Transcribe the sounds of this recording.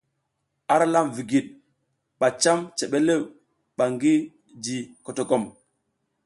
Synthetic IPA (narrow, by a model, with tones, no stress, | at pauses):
a˦ɾa˦la˦mvi˨ɡi˨ɗ̚ | ɓa˨t͡ʃa˦mt͡ʃe˨ɓe˦le˦˨ | ɓa˨ŋɡi˦ | d͡ʒi˨ko˨to˨ko˦˨m